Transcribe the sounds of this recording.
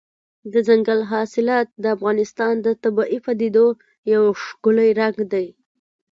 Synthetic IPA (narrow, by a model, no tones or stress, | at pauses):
d̪əzaŋɡalɦɑsɪlɑt̪̚d̪əafɣɑnɪst̪ɑnd̪ət̪abɑʔipad̪ed̪o | jawʂɡʊləjɾaɡd̪aj